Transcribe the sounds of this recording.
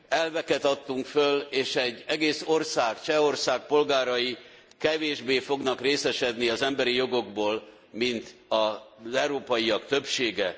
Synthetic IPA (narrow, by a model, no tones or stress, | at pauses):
ɛlvɛkɛt̪ɒt̪ːuŋkføleːʃɛɟːɛɡeːso̞rsaːkt͡ʃɛo̞rsaːk̚po̞lɡaːɾɒji | kɛveːʒbeːfo̞ɡnɒkreːsɛʃɛd̪niɒzɛmbɛɾijo̞ɡo̞ɡboːl | mint̪ɒzɛwɾoːpɒjiɒkt̪ø̞pʃeːɡɛ